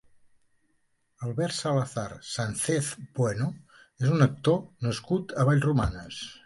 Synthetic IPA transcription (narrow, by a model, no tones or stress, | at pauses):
əlˠβɛɾsaləθaɾsanθeθpwɛnu | ezunək̚t̪onəskut̪əβ̞aʎzrumanəs